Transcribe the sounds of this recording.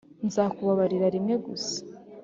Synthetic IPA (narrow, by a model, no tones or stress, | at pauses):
nzaːkuβaβaɾiɾaɾimŋe̞ɡusḁ